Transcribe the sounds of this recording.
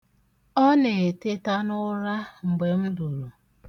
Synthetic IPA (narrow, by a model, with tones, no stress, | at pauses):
ɔ˦ne˨te˦ta˦nʊ˦ɾa˦ŋ͡m̩˨ɡ͡be˨m̩˦du˨ɾu˨